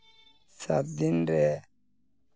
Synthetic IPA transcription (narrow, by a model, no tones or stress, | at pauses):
sab̚d̪inɾɛ